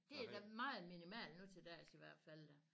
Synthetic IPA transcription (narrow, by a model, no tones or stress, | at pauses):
d̥e̝æɐd̥æmɑ̈ːð̩ˠminimæ̰ːlnut͡sʰe̝d̥æɐ̰siʋæɐ̰d̥fæl̰d̥æ